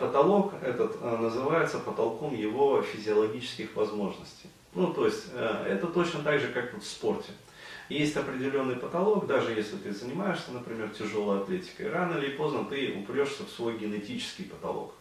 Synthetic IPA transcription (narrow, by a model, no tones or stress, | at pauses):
pət̪ɐlˠo̞kɛt̪ət̪nəzɨvajɪt̪səpət̪ɐlˠko̞mjɪvo̞fʲɪzʲɪɐlˠɐɡʲit͡ɕɪ̥skʲɪxvɐzmo̞ʐnəsʲtʲɪj | nut̪o̞ɪsʲtʲə̰ɛ̰t̪ət̪o̞t͡ɕnət̪aɡʐɨkakvofspo̞rtʲɪ | jesʲtʲɐpɾʲɪdʲɪlʲo̞nːɨjpət̪ɐlˠo̞kd̪aʐɨjesʲlʲɪt̪ɨzənʲɪmajɪʂsʲənəpɾʲɪmʲe̞rtʲɪʐo̞lˠəjɐt̪lʲetʲɪ̥kə̰jɾanəɪlʲɪpo̞znət̪ɨʊ̰pɾʲo̞ʂsʲəfsvo̞jɡʲɪnɪtʲit͡ɕɪ̥skʲɪjpət̪ɐ̰lˠo̞̰k